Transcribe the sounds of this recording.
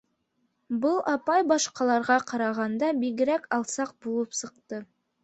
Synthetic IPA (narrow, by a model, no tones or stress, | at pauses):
bɤlˠʔɑpɑjbɑʃqɑlˠɑɾʁɑqɑɾɑʁɑnd̪ɑbiɡɘ̆ɾækɑlˠsɑq̚bulˠɤpsɤ̆qt̪ɤ